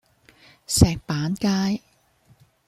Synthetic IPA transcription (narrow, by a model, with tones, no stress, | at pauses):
sɛː˨k̚paː˨˥nkaː˥j